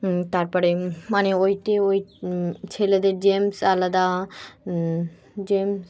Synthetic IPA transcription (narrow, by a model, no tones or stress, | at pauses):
t̪aɾpɔɾemaneojʈeojt͡ɕʰeled̪eɾd͡ʑemsalad̪a | d͡ʑems